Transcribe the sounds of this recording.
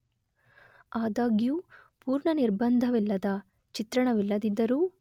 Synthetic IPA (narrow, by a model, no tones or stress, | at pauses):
aːd̪aːɡijuː | puːɾɳɐniɾbɐnd̪ʱɐʋilːɐd̪ɐ | t͡ʃit̪ɾɐɳɐʋilːɐd̪id̪ːɐɾuː